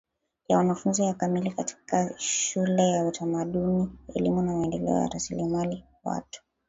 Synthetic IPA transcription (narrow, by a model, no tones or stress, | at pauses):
jawanafunzijakamilikati̥kaʃʃulɛjautʰamaɗuniɛ̰limunamaɛndɛlɛ̰ɔ̰ja̰ɾasilimali | wa̰tu̥